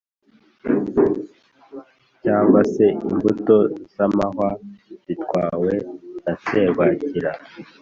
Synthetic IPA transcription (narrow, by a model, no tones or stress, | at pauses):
caːŋɡwase̞imbuto̞z̥amaɦwaz̥itwaːwe̞ase̞ːβaciɾa